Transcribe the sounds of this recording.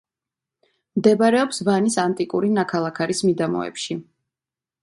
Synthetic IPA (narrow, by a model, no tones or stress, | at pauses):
md̪ɛbaɾɛɔpsvanisant̪ʼikʼuɾinakʰalˠakʰaɾismid̪amɔ̰ɛ̰pʃi